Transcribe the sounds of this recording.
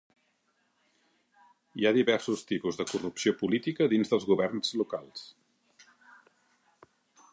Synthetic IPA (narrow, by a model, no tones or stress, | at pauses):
iaðiβɛrsust̪ipuzðəkurupsiopulit̪ikəðinzðəlˠzɣuβɛrnz̥lukalˠs